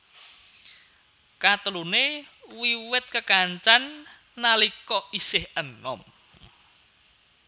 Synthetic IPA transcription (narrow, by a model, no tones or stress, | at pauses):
kat̪əlunewiwɪt̪̚kəkaɲt͡ʃanː | alikɔisɪhənɔ̰m